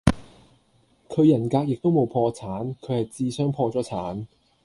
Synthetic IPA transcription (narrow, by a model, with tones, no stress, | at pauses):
kʰɵ˨˧jɐ˨˩nkaː˧k̚jɪ˨k̚t̪o˥wmo˨˧wpʰɔː˧t͡sʰaː˨˥nkʰɵ˨˧hɐ˨jt͡siː˧sœː˨˥ŋpʰɔː˧t͡sɔː˨˥t͡sʰaː˨˥n